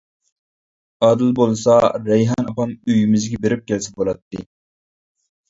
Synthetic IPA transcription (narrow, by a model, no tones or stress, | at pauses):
ɑːd̪ɨlˠbolˠsɑɾɛjɦɑnɑpɑmyjymɪzɡʲɛbeɾɪp̚kʲɛlsɛbolˠɑt̪ːɨ